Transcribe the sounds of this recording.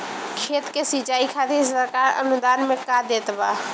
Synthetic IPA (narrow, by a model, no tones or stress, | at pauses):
kʰet̪kesit͡ʃaikʰat̪esəɾkaɾə̰nud̪anmekad̪et̪ba